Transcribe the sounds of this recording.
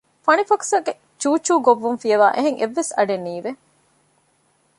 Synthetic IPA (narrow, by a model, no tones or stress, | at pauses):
fɐnifɐksɐɡe | t͡ʃuːt͡ʃːuːɡoʋːumfijɐʋaːʔeɦeŋʔeʋːesɐɖenːiːʋe